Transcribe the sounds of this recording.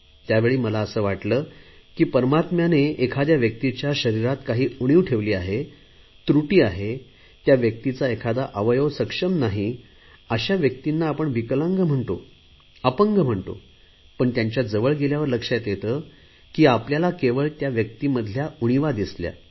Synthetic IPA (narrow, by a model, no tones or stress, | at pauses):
t̪jaʋeɭiːməlaəsəːʋaʈləː | kiːpəɾmat̪mjaneːkʰad̪jaʋjək̚t̪it͡ɕjaɕəɾiɾat̪kaɦiːuɽ̃iʋʈʰeʋliːaɦe | t̪ɾuʈiːaɦe | t̪jaʋjək̚t̪it͡saekʰad̪aʔəʋəjəʋsəkʂəmnaɦi | əɕaʋjək̚t̪inːaːpəɳʋikləŋɡm̤əɳt̪o | əpəŋɡəm̤əɳt̪o̰ | pəɳt̪jaɲt͡ɕjad͡zəʋəɭɡeljaʋəɾləkʂat̪jet̪əː | kiːapljalakeʋəɭt̪jaʋjək̚t̪iməd̪ʱljauɽ̃iʋad̪islja̰